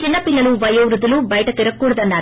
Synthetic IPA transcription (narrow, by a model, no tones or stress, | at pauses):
t͡ʃɪnːɐpɪnːɐluʋɐjɐʋɾud̪ɐlubɐjʈɐt̪ɪɾɐkːuːɽɐd̪ɐnːaːɾ